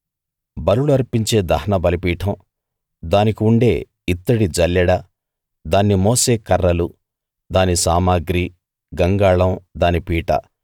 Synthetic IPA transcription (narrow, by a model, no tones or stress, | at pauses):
bɐɾuɭuɐɾpiɲt͡ʃe̞ːd̪ɐɦɐnɐbɐlipiːʈʰɐm | d̪aːnikiuɳɖe̞ː | it̪ːɐɽid͡ʒɐljɐɽɐ | d̪aːnːimɔːseːkɐɾːɐlu | d̪aːnisaːmaːɡɾi | ɡɐŋɡaːɭɐmd̪aːnipiːʈɐ̰